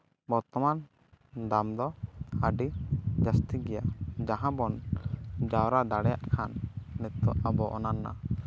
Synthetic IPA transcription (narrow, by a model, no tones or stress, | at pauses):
bɔɾt̪ɔman | d̪amd̪ɔaɖid͡ʒast̪iɡɛjad͡ʒaɦãbɔn | d͡ʒawɾad̪aɽɛjaʔkʰanːɛt̪ːɔ̰abɔʔɔ̰naɾːa̰